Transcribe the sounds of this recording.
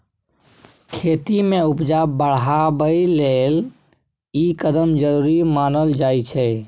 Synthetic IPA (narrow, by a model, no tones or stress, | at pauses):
kʰeːt̪imẽʊpd͡ʒabəɽ̤ɦabəileːl | ikəd̪əmd͡ʒəɾuːɾimaːnəld͡ʒaːit͡ʃʰɛː